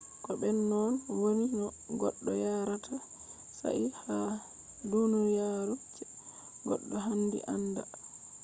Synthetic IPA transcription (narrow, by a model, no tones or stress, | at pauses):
kɔɓɛnːɔnwoninɔ | ɡɔ̰ɗːɔjaɾatʰa | sa̰ʔiha | dunujaɾut͡ʃɛ | ɡɔ̰ɗːɔɦandḭʔanda